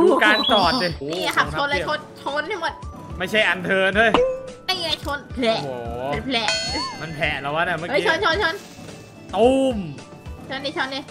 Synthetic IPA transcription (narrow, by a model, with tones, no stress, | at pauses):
uː˧kaː˧nt͡ɕɔː˨˩t̪̚le˧˩niː˥˨˩la˨˩kʰa˦˥o˧nlaː˦˥˩o˧˥nt͡ɕʰo˧˥nt̪ʰa˥˩mo˨˩t̪̚ | ma˥˩jt͡ɕʰa˥˩jʔa˧nt̪ʰɤː˧nt̪ʰu˥˩˨jna˥˩i˧˩t͡ɕʰo˧˥npʰlɛ˧˨˩ʔoː˨˩˦e˧˩npʰlɛ˨˩ma˧npʰɛ˨˩ʔla˨˦wa˦˥na˧˩ma˥˩ʔt͡ɕʰo˧nt͡ɕʰo˧˥nt͡ɕʰo˧n | t̪u˧˩m | t͡ɕʰo˧nːiː˧˥˩o˧˥nːi˧˥˩